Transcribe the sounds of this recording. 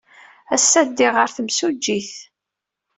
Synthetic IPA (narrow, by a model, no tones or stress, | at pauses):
æsːæd̪ːiʁəɾθəmsud͡ʒːiθ